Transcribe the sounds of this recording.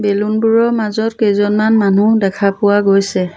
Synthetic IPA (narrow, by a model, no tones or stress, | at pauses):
belunbuɹɔmazɔtkejzɔnmanmanudɛkʰapʊwaɡojsɛ